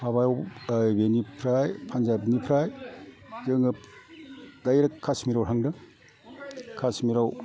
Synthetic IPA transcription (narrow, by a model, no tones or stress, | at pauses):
haβajwbenipʰɾajpʰanzabnipʰɾaj | zɯŋɯ | dajɾakkʰːasmiɾawhaŋdɯ | kʰasmiɾaw